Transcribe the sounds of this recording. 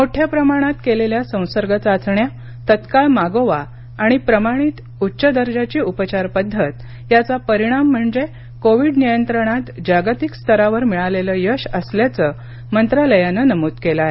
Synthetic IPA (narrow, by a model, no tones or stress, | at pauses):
moʈʰjapɾəmaɽ̃at̪keleljasə̃w̃səɾɡət͡sat͡sɳja | t̪ət̪kaɭmaɡoʋa | aɽ̃ipɾəmaɽ̃iːt̪ | utːɕəd̪əɾd͡ʑat͡ɕiːupət͡ɕaɾpəd̪ʱːət̪ | jat͡sapəɾiɽ̃am̤ːəɳd͡ze | koʋiɖnijənt̪ɾəɽ̃at̪d͡ʑaɡt̪ikst̪ʰəɾaʋəɾmiɭaleləjəɕəsljat͡səː | mənt̪ɾaləjanənəmuːt̪kelaɦe